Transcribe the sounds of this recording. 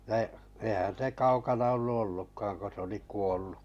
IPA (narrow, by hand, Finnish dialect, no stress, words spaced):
no eihæn̞ se kɑukɑnɑ olːu olːukːɑːŋ ko s oli kuolːu